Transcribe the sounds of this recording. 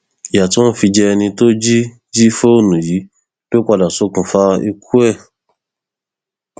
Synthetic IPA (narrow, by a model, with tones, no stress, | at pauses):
ja˨to˦n̩˦fi˧d͡ʒɛ˧nĩ˧to˦d͡ʒi˦ | d͡ʒi˦fo˦˨nũ˨ji˨˦ | b̥o˦kʷa˧da˨so˨˦kũ˨fa˦i˧kʰu˦ɛ˦˨